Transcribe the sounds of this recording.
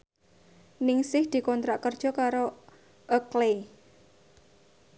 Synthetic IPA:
nɪŋsɪhd̪̥i̤kɔnt̪ɾaʔkərd̥ʒ̥ɔ̤kaɾo | ʔəkle

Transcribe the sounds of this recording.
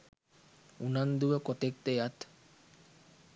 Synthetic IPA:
unand̪uəkot̪ek̚t̪ejat̪

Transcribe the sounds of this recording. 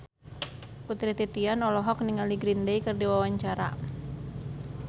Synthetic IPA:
put̪ɾit̪it̪ianɔlɔɦɔk̚niŋaliɡɾindejkɨrdiwawaɲt͡ʃaɾa̰

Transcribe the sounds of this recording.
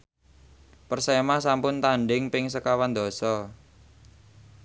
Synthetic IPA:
pərsemasampʊnt̪aɳɖɪŋpɪŋsəkawand̪ɔ̤sɔ

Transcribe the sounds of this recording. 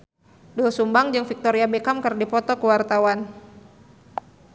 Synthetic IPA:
duəsumbaŋd͡ʒɨŋfik̚t̪oɾiabekamkərdipɔt̪ɔkəwart̪awan

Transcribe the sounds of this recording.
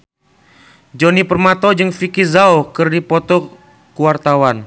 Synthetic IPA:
d͡ʒɔnipərmat̪ɔd͡ʒɨŋfikizaokɨrdipɔt̪ɔ | kuwart̪awan

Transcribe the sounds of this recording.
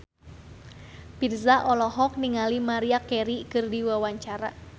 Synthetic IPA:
pirzaʔɔlɔɦɔk̚niŋalimaɾiakɛɾikɨrdiwawaɲt͡ʃaɾa̰

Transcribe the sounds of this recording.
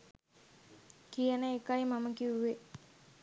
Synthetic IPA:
kijənəekajmaməkiuwe

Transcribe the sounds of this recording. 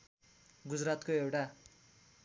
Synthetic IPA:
ɡud͡zrat̪koewʈa

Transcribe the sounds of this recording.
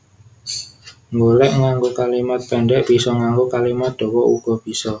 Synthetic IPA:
ŋɡolɛʔŋaŋɡokalimat̪̚pɛɳɖɛʔb̥i̤sɔŋaŋɡokalimat̪̚d̪̥ɔ̤wɔʔṵɡ̥ɔ̤b̥i̤sɔ

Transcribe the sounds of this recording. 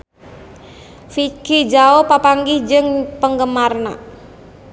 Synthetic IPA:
fikid͡ʒaopapaŋɡɪhd͡ʒɨŋpəŋɡəmarna

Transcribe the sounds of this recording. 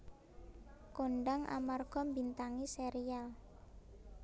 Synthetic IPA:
koɳɖaŋʔa̰marɡ̥ɔ̤mbint̪aŋiseɾial

